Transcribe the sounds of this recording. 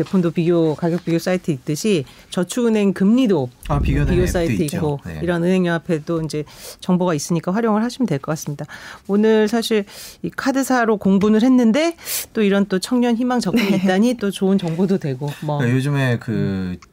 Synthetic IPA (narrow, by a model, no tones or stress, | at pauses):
t͡ɕe̞pʰumdopiɡjokaɡjʌk̚p͈iɡjos͈aitʰɯit̚t͈ɯɕʰi | t͡ɕʌt͡ɕʰuɯnɦe̞ŋkɯmɲidoapiɡjopiɡjos͈aitʰɯik͈o̰iɾʌnɯnɦe̞ŋɲʌapʰe̞t͈oind͡ʑe̞t͡ɕʌŋboɡais͈ɯɲik͈aɸwaɾjoŋɯɭhaɕʰimɯndweɭk͈ʌk͈as͈ɯmɲidaonɯɭsʰaɕʰiɭikʰadɯsʰaɾokoŋbunɯɭhe̞nːɯnde̞t͈oiɾʌnt͈ot͡ɕʰʌŋɲʌnçimaŋt͡ɕʌkɯiit͈aɲit͈ot͡ɕoɯnt͡ɕʌŋbododwe̞ɡomwʌjod͡ʑɯme̞kɯ